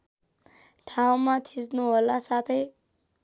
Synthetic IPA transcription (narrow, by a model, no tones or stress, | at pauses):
ʈʰaw̃mat̪ʰisnuɦolasat̪ʰʌj